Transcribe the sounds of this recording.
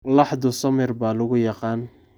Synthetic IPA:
lɑħd̪ʊsɔmɛrbaːlʊɣʊjɑqɑːn

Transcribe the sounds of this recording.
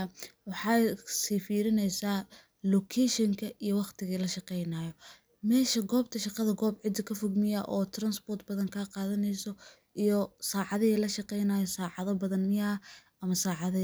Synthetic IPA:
wɑħɑsiːfiːɾɪnɛjsaː | lɔkʰɛʃɪŋkʰɐʔijɔwɑχt̪ʰɪɣiːlɐʃɑqɛjnaːjɔ | mɛːʃɐɡɔːb̚t̪ʰɐʃɑqɑðɐɡɔːbʕɪd̪ːɐkʰɐfɔɡmɪjɐʔɔːt̪ʰrɐnsbɔːrt̪bɐðɐŋkʰaːqɑːðɐnɛjsɔ | ʔijɔsaːʕɑðɪilɐʃɑqɛjnaːjɔsaːʕɑðɐbɐðɐnmɪjɐɐʔɐmɐsaːʕɑðɐ

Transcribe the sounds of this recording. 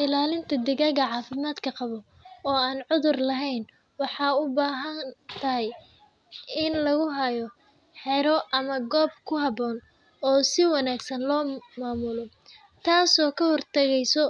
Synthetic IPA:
ɪlaːlɪnt̪ʰɐd̪ɛɣɐɣɐʕɑːfɪmaːd̪kʰɐqɑβɔ | ɔːaːnʕʊðʊrlɐɦɛjn | wɑħɑːʊbaːɦɐnnt̪ʰɐɦɛj | ɪnlɐɣʊɦɐjɔ | ħɛɾɔʔɐmɐɡɔːb̚kʰʊɦɐbɔːn | ɔːsɪwɑnaːɡsɐnlɔːmaːmʊlɔ | t̪ʰaːsɔːkʰɐhɔrt̪ʰɐɣɛjsɔ

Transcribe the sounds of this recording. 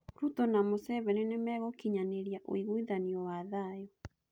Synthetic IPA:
ɾutɔnamosɛβɛnenemɛɣɔkiɲaneɾjaʔo̰iɣuiðaniɔwaðajɔ

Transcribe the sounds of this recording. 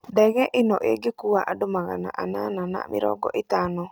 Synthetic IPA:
dɛɣɛʔinɔʔḛɡekuaʔadomaɣana̰ʔananana̰mɪ̰ɾɔ̰ɡɔ̰ʔit̪anɔ

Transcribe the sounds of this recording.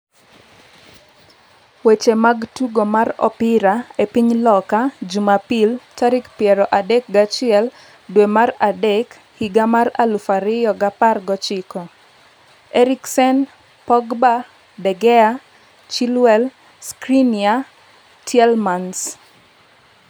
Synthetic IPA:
wet͡ʃemaɡtuɡomarɔ̰pɪɾaepiɲlɔkad͡ʒumapilt͡ʃaɾikpjɛɾɔʔadek̚ɡat͡ʃɪɛl | dwemaradɛk | hiɡamaralufaɾɪjɔɡaparɡɔt͡ʃɪkɔ | ɛɾiksɛn | pɔɡba | dɛɡɛa | t͡ʃilwɛl | skɾinia | tjɛlmans

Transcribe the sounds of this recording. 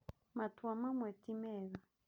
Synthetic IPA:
matwamamwɛtimɛɣa

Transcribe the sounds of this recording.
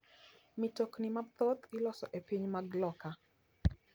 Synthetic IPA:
mɪtoknimat̪ɔt̪ɪlɔsɔʔepiɲmaɡlɔka

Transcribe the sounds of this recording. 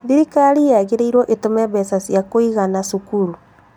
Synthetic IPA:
ðiɾikaɾijaɣeɾeiɾwɔʔetomɛβɛsasjakoiɣanasukuɾu

